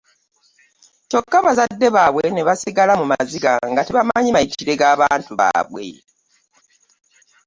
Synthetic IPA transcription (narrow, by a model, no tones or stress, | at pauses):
to̞kːaβazadːe̞βaβwene̞βasiɡalamumaziɡa̰ŋɡateβamaɲimaitiɾe̞ɡaːβaːntuβa̰ːβwe̞̰